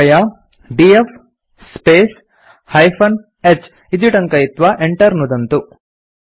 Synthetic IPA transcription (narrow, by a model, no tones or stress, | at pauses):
jɐ | biefʰ | speːs | hɐjpʰɐn | et͡ʃː | id̪iʈɐŋkɐjit̪ʋɐʔeɳʈɐɾnud̪ɐnt̪u